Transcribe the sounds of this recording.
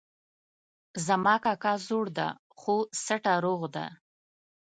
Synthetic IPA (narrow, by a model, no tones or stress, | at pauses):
zamɑkɑkɑzoɽd̪a̰ | xosaʈaɾoɣd̪a̰